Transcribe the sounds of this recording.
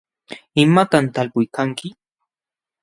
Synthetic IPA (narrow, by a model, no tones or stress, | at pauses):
ɪmat̪ant̪alpʊjkaŋkɪ